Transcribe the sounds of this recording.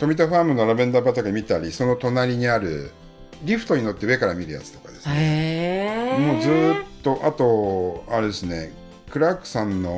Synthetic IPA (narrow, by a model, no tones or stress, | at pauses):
t̪o̞mʲit̪aɸaːmɯ̟nːo̞ɾabẽ̞nd̪abat̪aɡamʲit̪aɾʲiso̞not̪o̞naɾʲiɲ̟iaɾɯ̟̰ | ɾʲiɸɯ̟̥t̪o̞ɲ̟ino̞t̪ːeɯ̟e̞kaɾamʲiɾɯ̟ja̰t͡sɨ̥t̪o̞̥kad̪e̞sɨne | mo̞ːzɨːtt̪ːo̞ʔat̪o̞aɾe̞d̪e̞sɨne̞̰ | kɯ̟ɾakːɯ̟̥sãnːo̞